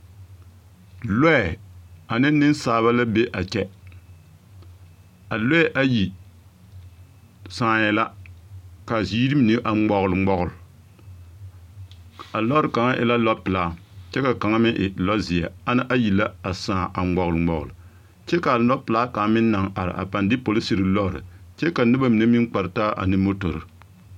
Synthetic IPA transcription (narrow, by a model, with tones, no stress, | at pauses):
lɔ˦˨a˨nɨ˦nɨ˦nsaː˨βa˦la˦be˦ʔa˨t͡ʃɛ˦ | a˨lɔ˦ɛ˦ʔa˦ji˨ | saː˦˨jɛ˨la˦ | ka˨ziː˦ɾi˦m˨nɨ˦ʔa˨˦ɡ͡bɔ˨ɣʊ˨lɨ˨ŋ͡mɡ͡bɔ˨ɣʊ˨l | a˨lɔ˦ɾɨ˨ka˨ŋa˦ʔɪ̰˨la˦lɔ˦pɨ˨la˦ | t͡ʃɛ˦ka˨ka˨ŋa˦mɪ˦ʔɪ˨lɔ˦zi˨a̰˨a˦nɨ˦ʔa˦ji˨la˦a˨sãː˦˨ʔa˨ɡ͡bɔ˨ɣʊ˨lɨ˨ŋ͡mɔ˨ɣʊ̰˨lɨ˨ | t͡ʃɛ˦ka˨lɔ˦pɨ˨la˦ka˨˦mɪ˦nː˦a˨ŋa˨ɾɨ̰˨ʔa̰˨pa˨ndɪ˦po˨lɨ˦si˦ɾɨ˨lɔ˦ɾɨ̰˨t͡ʃɛ˦ka˨˦nɨ˦ba˦mi˨na˦mi˦k͡pa˨ɾɨ˨ta˦ʔa̰˨nɨ˦mo˦to˨ɾɨ˨